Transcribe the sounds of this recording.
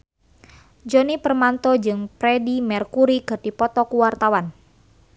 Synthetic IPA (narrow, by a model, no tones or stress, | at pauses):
d͡ʒɔnipərmant̪ɔd͡ʒɨŋpɾɛdimɛrkuɾikɨrd̥ipɔt̪ɔkuwart̪awan